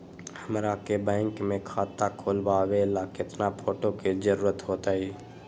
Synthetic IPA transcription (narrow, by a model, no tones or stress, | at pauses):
həmɾakebɛ̃ːŋkmẽkʰaːt̪akʰoːlbaʋeːlakɪt̪napʰoːʈokizəɾuːɾət̪ɦoːt̪aːɦiː